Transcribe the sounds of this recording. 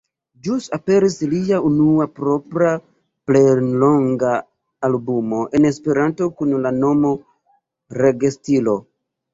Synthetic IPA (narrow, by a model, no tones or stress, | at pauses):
d͡ʒusape̞ɾisliaunuapɾo̞pɾa | plejlo̞ŋɡaː | lbumo̞ʔe̞ne̞spe̞ɾanto̞kunlano̞mo̞ | ɾe̞ɡestilo̞